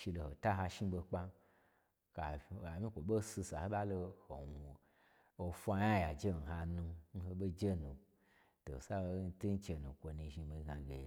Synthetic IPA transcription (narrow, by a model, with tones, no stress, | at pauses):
ʃi˧lo˧˨ho˨ta˦ɦa˧ʃi˦ɓo˧k͡pa˧ | ka˨a˨mʲĩ˦kʷo˨ɓo˦si˧sa˨ho˦ɓa˦lo˧ho˨wu˨ | o˧fʷa˧ja˦ja˨d͡ʒe˦n̩˨ɦa˧nũ˧n̩˦ho˧ɓe˦d͡ʒe˦nu˨ | to̰˨sa˦˧˦n̩˦ti˦n̩˦t͡ʃe˧nũ˨kʷo˧nũ˧ʒi˧mi˧ɡa˨ɡḛ˨